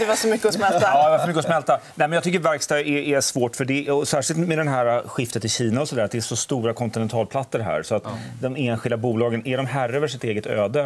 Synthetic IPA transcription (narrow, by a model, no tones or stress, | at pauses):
d̪ɛvaʂɔmʏkːəɔsmɛlt̪ad̪ɛvasɔmʏkːəɔsmɛlt̪anɛːmɛnjɑt̪ʏkːəɾvæɾkst̪ɑɛʔːsvoːʈfœɖɛɔsæːʂɪlt̪mɛd̪ɛnɦæːɾaɧɪft̪ət̪ʰːɪlɕiːnaɔsɔd̪æɾat̪̚d̪ɛæʂɔst̪uːɾakʰɔnt̪ɪnɛnt̪ʰɑːlpʰlat̪sːəɾɦæ̰ːɾsɔat̪ | d̪ɔmeːnɧɪld̪abuːlɑːɡənæɖɔmɦæɾːɛvəʂɪt̪eːɡət̪ʰø̰ːd̪ə